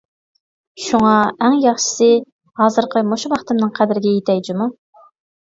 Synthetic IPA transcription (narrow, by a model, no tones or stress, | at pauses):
ʃuŋɑæŋjɑχʃɪ̥sɨ | hɑːzɨɾqʰəmoʃuwɑχt̪ɨmnɨŋqʰæd̪ɪɾɪɡʲɛjet̪ʰɛjd͡ʒimu